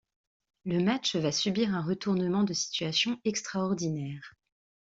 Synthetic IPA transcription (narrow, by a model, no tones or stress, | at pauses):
ləmat͡ʃvasybiʁɛ̃ʁət̪uʁnəmɑ̃d̪əsi̥t̪ɥasjɔ̃ɛkst̪χaɔʁd̪inɛːʁ